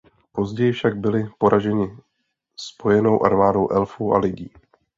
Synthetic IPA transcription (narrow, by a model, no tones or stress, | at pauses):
po̞zɟɛjɪfʃaɡ̚bɪlɪpo̞ɾʔaʒɛɲɪ | spo̞jɛno̞wʔa̰ɾmaːdo̞wʔɛlfuːʔa̰lɪɟiː